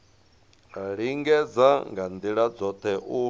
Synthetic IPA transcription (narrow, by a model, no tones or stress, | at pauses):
ɺiŋɡɛd͡zaŋɡand̪iɺad͡zɔt̪ʰɛʔu